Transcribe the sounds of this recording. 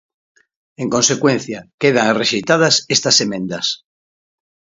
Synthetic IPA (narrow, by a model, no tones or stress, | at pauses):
eŋkonsekwẽn̟θjakeð̞aŋreʃit̪að̞asest̪asemẽnd̪as